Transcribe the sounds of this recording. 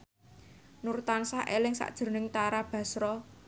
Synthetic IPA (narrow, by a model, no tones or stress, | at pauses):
nurt̪ansaʔelɪŋsa̰ʔd̥ʒ̥ə̤nɪŋt̪aɾab̥ä̤sɾɔ